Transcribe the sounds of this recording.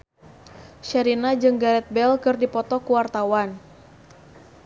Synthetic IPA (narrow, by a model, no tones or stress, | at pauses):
ʃɛɾinad͡ʒɨŋɡaɾɛt̪̚bɛlkɨrdipɔt̪ɔkuwart̪awan